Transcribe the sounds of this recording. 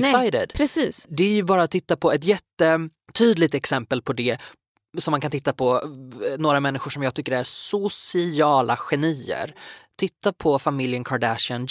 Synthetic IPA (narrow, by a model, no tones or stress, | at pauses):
sajd̪ə̰d̪pʰɾɛsiːsd̪ɛæɾjɵbɑːɾat̪ʰːɪt̪ːapʰɔɛt̪jɛt̪ːə | t̪ʰyːd̪lɪɡ̚t̪ɛksɛmpəlpʰɔd̪ɛ | sɔmːankanɪt̪ːapʰɔnoːɾamɛnːɪɧʊʂɔmjɑːɡt̪ʰʏkːəɾæɾsʊsɪɑːlʔaɧɛniːə̰ɾt̪ʰɪt̪ːapʰɔfamɪljənkʰaɖæʂɪən